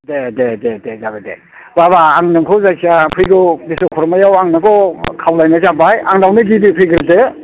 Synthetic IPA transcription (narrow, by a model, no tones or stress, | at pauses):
dedededezabadḛ | baβaːŋnɯŋkʰɯwzajsʰiapʰɯjɡɯbisɯkʰɔɾɔmajawaŋnakɔkʰawlajnazabajaŋdawnɯɡibipʰɯjɡɯɾite